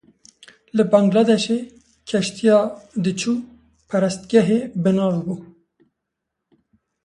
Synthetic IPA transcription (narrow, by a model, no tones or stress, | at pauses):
lɨbɑŋɡlɑd̪ɛʃe | kʰɛʃt̪ʰijɑːd̪ɨt͡ʃʰuː | pʰɛɾɛst̪ɡɛɦeːbɨnɑːvbuː